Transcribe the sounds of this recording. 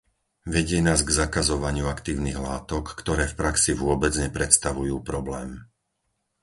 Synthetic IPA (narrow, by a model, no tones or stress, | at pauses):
ʋɛɟɪɛnaːzɡzakazɔʋaɲɪuakt̪iːʊniɣlaːt̪ɔkːt̪ɔɾɛːfpɾaksiʋʊɔbɛd͡zɲɛpɾɛt̪st̪aʋujuːpɾɔblɛːm